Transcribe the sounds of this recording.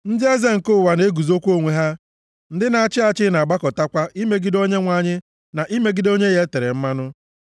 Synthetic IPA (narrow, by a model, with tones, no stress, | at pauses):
n̩˦dɪ˦e˦ze˦ŋ̩˨ko˦˨wa˨ne˦ɡu˨zo˦kʷu˦o˦ŋʷe˨ɦa˦ | n̩˦dɪ˦na˨a˦t͡ʃɪ˦a˨t͡ʃɪ˦na˨ɡ͡ba˦kɔ˨ta˦kʷa˦ʔi˦me˦ɡi˦do˦ɲe˦ŋʷa˦˨ɲɪ˦ | na˨ʔi˦me˦ɡi˦do˦ɲe˦je˦te˨ɾe˨m̩˦ma˦nʊ˦